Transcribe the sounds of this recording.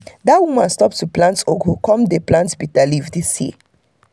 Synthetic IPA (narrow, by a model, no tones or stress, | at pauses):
datwumãnstɔp̚tuplãntoɡokɔ̃mdeplãntbitalivdisjḭ